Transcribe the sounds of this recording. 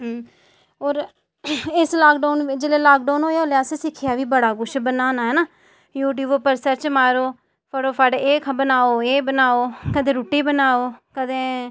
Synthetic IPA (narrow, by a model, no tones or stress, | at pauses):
ɦ | oːɾ | ɪslaːkɖaːnid͡ʒeːleːlaːk̚ɖaːnɦoːjaoːleaːseːsɪkʰɪjaːʋiːbəɽaːɡʊʃbənaːnaːɦɛːnaː | juːʈ̬juːʋopəɾsəɾt͡ʃmaːɾoː | pʰəɽoːpʰəɖeːkʰbənaːoːeːbənaːoːkəd̪ẽːɾuːʈiːbənaːoːkəd̪ẽː